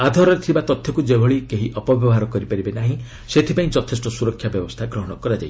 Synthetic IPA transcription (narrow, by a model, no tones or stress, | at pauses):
ad̪ʱɔɾɔɾet̪ʰibat̪ɔt̪ʰjɔkud͡ʒebʱɔɭikeɦiʔɔpɔbjɔbɦaɾɔkɔɾipaɾibenaɦĩ | set̪ʰipaĩd͡ʒɔt̪ʰesʈɔsuɾɔkʰjabjɔbɔst̪ʰaɡɾɔɦɔɽ̃ɔkɔɾad͡ʒai